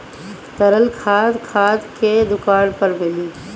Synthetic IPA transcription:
t̪əɾəlkʰaːd̪kʰaːd̪ked̪ʊkaːɽpəɾmɪliː

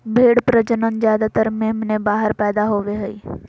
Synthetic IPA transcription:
bʱeːɽpɾəd͡ʒənənzjaːd̪at̪əɾmẽmnẽbaːɦəɾpɛːd̪aɦoːʋeɦəiː

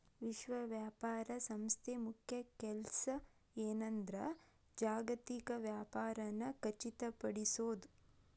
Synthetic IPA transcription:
ʋiʃʋɐʋjaːpaːɾɐsɐmst̪ʰemukʰjɐkɛlsɐ | eːnɐnd̪ɾɐ | d͡ʒaːɡɐt̪ikɐʋjaːpaːɾɐnːɐkɐt͡ʃit̪ɐpɐɽisoːd̪u

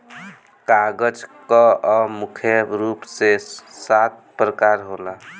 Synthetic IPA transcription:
kaɡəd͡ʒkəmukʰjəɾupsesat̪̚pɾəkaɾɦola

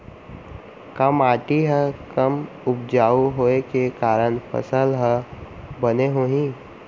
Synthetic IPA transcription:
kəmaːʈiɦəkəm | ʊp̚d͡ʒaːuɦoːekekaːɾənpʰə̰səlɦəbəneɦoːɦĩː

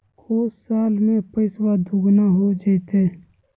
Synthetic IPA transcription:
kʰoːssaːlmẽpəɪswad̪ʱʊɡnaɦod͡ʒəɪt̪eː

